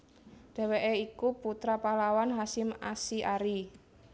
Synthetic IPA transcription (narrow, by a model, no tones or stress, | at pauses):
ɖ̥ɛ̤weʔeikuput̪ɾapalawanɦasɪma̰siʔaɾi